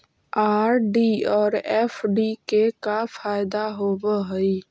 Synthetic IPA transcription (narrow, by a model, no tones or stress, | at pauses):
aːɾɖiɔːɾɛːfʰɖikekafaːɪd̪aɦoːbəɦəi